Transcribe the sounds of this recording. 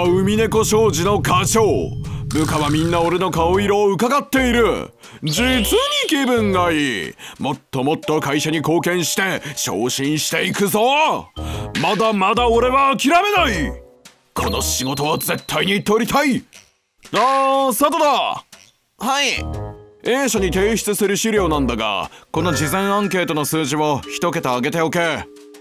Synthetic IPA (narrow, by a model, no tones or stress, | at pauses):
ɯ̟mʲine̞ko̞ɕo̞ːʑino̞kaɕo̞ːbɯ̟kaβamʲĩnːao̞ɾe̞no̞kaoiɾo̞ːɯ̟kaɡat̪ːe̞iɾɯ̟ | d͡ʑit͡sɨɲ̟ikʲibɯ̟̃ŋɡaimo̞t̪ːo̞mo̞t̪ːo̞kaiɕaɲ̟iko̞ːkẽ̞ɰ̃ɕi̥t̪e̞ɕo̞̰ːɕĩɰ̃ɕi̥t̪e̞ikɯ̟zo̞ | mad̪amad̪ao̞ɾe̞βaːkʲiɾame̞nai | kʰo̞no̞ɕiɡo̞t̪o̞βaze̞t̪ʰːaiɲ̟iːt̪ːe̞o̞ɾʲit̪ʰai | nasat̪od̪a | hai | ẽːɕaɲ̟it̪e̞ːçi̥t͡sɨsɨɾɯ̟ɕiɾʲo̞ːnãnd̪aɡa̰ko̞no̞d͡ʑizẽ̞ɰ̃ãŋke̞ːt̪o̞no̞sɨːʑimo̞çi̥t̪o̞ke̞t̪oaɡe̞t̪e̞o̞keː